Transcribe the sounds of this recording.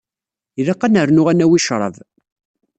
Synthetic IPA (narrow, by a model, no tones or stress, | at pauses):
iðɑqːanəɾnʊʁænæwiʃɾˤə̰v